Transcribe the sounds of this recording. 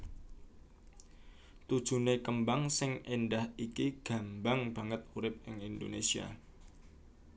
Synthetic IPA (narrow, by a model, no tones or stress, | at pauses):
t̪ud̥ʒ̥ṳnekəmbaŋsɪŋendahikiɡ̥a̤mbaŋb̥a̤ŋət̪̚uɾɪp̚ɪŋindo̰nesia̰